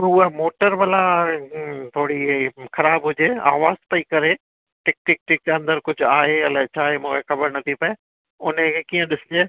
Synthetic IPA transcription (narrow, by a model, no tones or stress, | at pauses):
uəmoːʈəɾbɐla | t̪ʰoːɽixɐɾaːbɦʊd͡ʑeːa̰ːʋaːzpɐikɐɾe | ʈɛːk̚nɪk̚ʈɪk̚d͡ʑeɐ̃nd̪əɾkʊd͡ʑʱʊaːɦeɐlɛt͡ɕʰaːɦemũːkʰexɐbəɾnɐt̪ʰipɐe | ʊnəkʰekiːə̃ɗɪsɪd͡ʑeː